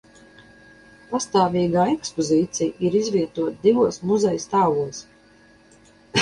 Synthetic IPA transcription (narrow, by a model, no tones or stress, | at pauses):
past̪aːvʲiːɡaːɛkspɔziːt̪sijiɾizvʲiɛt̪uɔt̪̚d̪ivuɔsmuzɛjst̪aːvuɔs